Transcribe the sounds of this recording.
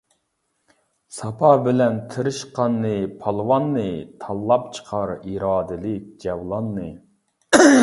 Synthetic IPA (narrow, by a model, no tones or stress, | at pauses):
sɑpʰɑbɪlɛnt̪ʰɨɾɨʃqɑnːɨpʰɑlˠwɑnːɨt̪ʰɑlˠːɑp̚t͡ʃʰə̥qʰɑɾiɾɑːd̪ɨlɪk̚ʲd͡ʒɛwlˠɑnːɨ